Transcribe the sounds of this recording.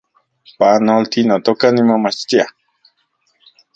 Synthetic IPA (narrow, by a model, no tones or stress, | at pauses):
panolt̪inat̪okanimamat͡ʃt̪ia